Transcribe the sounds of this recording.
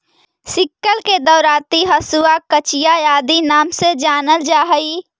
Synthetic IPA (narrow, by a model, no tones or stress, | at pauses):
sɪkːəlked̪əʊɾaːt̪iɦɐsuakət͡ʃijajaːd̪inaːmsed͡ʒaːnəld͡ʒaːɦəi